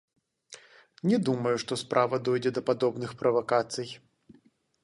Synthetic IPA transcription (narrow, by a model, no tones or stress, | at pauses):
nʲɛd̪umɐjuʂt̪ɔspɾʔavɐd̪ɔjd͡zʲɛd̪ɐpad̪ɔbnɨxpɾʔɐvakat̪sɨj